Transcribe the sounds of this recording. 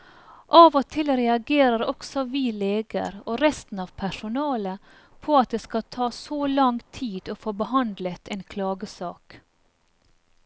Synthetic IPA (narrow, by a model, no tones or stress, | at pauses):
ʔɑːʋot̪ʰɪlɾɛɑɡeːɾəɾɔksɔʋiːleːɡə̰ɾoːɾɛst̪n̩ɑːʋpʰæʂʊnɑːlə | pʰoːɑt̪̚d̪eːskɑt̪ʰɑːsoːlɑŋt̪ʰiːd̪̥oːfoːbəhɑnd̪lət̪ʰeːnkʰlɑːɡəsɑːk